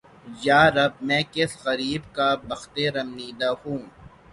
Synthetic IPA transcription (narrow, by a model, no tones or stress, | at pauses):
jaːɾɐb̚mɛ̃ːkɪsxɐɾiːbkabɐxt̪eɾɐmniːd̪ahũː